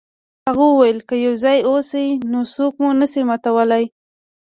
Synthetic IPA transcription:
haɣuwajəlkəjawzɑjosinosokmunəsimat̪awəlaj

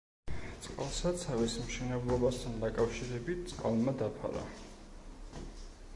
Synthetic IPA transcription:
t̪sʼqʼalˠsasʰavismʃɛnɛblˠɔbast̪ʰand̪akʼafʃiɾɛbit̪̚ʰt̪sʼqʼa̰lˠmad̪apʰa̰ɾa̰

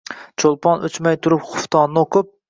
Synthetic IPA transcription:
t͡ʃʰolˠpʰɑnøt͡ʃmajt̪ʰʊɾɪpχʊft̪ʰɑnːɨoqʰɨp̚

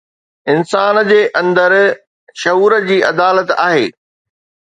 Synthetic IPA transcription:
ɪnsaːnd͡ʑeːʔɐ̃nd̪əɾ | ʃɐɦuːɾəd͡ʑiːʔɐd̪aːlət̪a̰ːɦeː

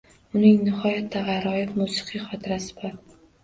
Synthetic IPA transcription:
ʊnɪŋnɪχɒjat̪ʰːaʁɑɾɒjɪfmusɨ̥qʰɨjχɒt̪ʰɪɾasɪ̥bɒɾ

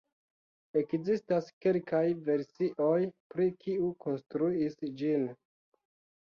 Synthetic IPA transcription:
e̞kzistaske̞lkajve̞ɾsiʔo̞jpɾikiuko̞nstɾuisd͡ʒin

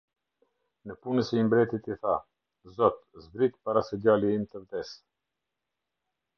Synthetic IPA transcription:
nəpunəsɛimbɾɛt̪it̪iθa | zɔt̪zbɾit̪paɾasəɟaliimt̪əvd̪ɛs

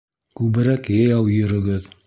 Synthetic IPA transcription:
kʉβɘ̆ɾækjɑjɑwjɵ̆ɾɵ̆ɡɘð

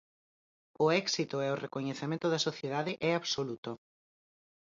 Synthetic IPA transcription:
ʊɛksit̪ʊɛʊrekoɲeθemẽnt̪ʊðɐsoθjeðaðɪʔɛaβsolut̪o

